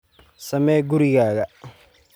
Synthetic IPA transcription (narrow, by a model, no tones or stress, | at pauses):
sɐmɛːɡʊɾɪɣaːɣɐ